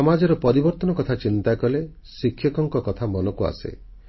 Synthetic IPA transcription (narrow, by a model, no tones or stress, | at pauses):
ɔmad͡ʒɔɾɔpɔɾibɔɾt̪ɔnɔkɔt̪ʰat͡ʃint̪akɔle | sikʰːjɔkɔŋkɔkɔt̪ʰamɔnɔkua̰sḛ